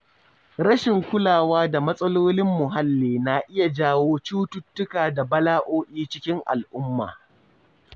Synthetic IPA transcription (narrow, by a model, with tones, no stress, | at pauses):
ɾɐ˦ʃɪ˨ŋkʷʊ˦laː˨waː˦da˨mɐ˦sʼɐ˦loː˦nɪ˦mːʊ˨ɦa˦lːeː˨na˨ʔɪ˦ja˨d͡ʒaː˦woː˦t͡ʃuː˦tʊ˦tːʊ˦kaː˨da˨bɐ˦laː˦ʔoː˦ʔʲiː˦t͡ʃɪ˦kʲɪ˦ŋʔa̰˨lʔʊ˦mːa̰ː˨